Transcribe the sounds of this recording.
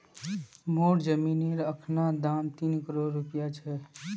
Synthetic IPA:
moːʈd͡ʒəmiːniːɾəkʰnad̪ãːnt̪iːnkəɾoːɾːʊpjat͡ʃʰɛ

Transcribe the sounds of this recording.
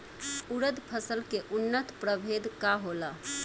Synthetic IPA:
uɾəd̪pʰəsəlkeʔunːət̪pɾəbʱed̪kaɦolə

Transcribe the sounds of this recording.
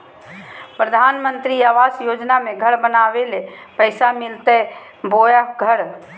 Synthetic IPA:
pɾəd̪ʱanmənt̪ɾiaʋasjod͡ʒnameɡʱəɽbənaʋelepəɪsamilt̪ɛ | bojəɡʱəɽ

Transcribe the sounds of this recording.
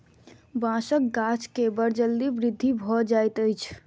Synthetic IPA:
bãsək̚ɡãt͡ʃkebəɾd͡ʒəld̪ibɾid̪ʱːibʱɔd͡ʒajt̪əjt͡ʃʰ

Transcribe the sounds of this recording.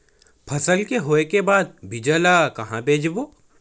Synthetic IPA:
pʰɐsəlkeɦoːekebaːd̪̚bʱɪd͡ʒəlaːkɐɦãbʱeːd͡ʒboː

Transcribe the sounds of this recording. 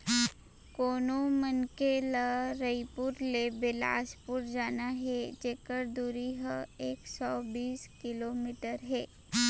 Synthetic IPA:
koːnomənkelaɾəipʊɾlebela̰ːspʊɾd͡ʒaːnaɦɛd͡ʒeːkəɾd̪uɾiɦəeːksɔːbiːskɪloːmiːʈəɾɦɛː

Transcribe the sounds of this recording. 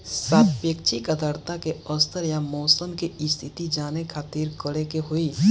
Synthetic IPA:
saːt̪peːk̚t͡ʃʰikəd̪əɾt̪akeɔːst̪əɾjamɔːsəmkeɪst̪ʰɪt̪id͡ʒaːnekʰaːt̪iːɾɡəɽekeɦoiː

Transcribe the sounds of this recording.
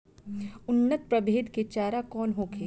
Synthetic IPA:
ʊnːət̪̚pɾɐbʱeːd̪ket͡ʃaːɾakɔːnɦoːkʰeː

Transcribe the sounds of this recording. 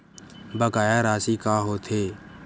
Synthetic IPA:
bəkaːjaɾaːsikaːɦoːt̪ʰeː

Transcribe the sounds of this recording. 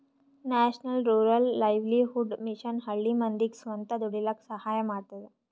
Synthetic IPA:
næɕnəlɾuɾəlːajʋliɦuɖmiʃənɦɐɭːimənd̪iksʋənt̪ɐd̪uɽilɐksɐhajɐmaɽt̪ad̪e

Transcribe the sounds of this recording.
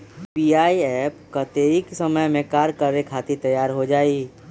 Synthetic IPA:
piaːiɛːpkat̪eːɾiksəməjmẽkaːɾkəɾekʰaːt̪it̪ɐjaːɾɦod͡ʒaːiː

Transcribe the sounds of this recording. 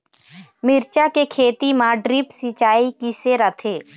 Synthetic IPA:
mɪɾt͡ʃakekʰeːt̪imãɖɾɪpsit͡ʃaːikiseɾət̪ʰeː

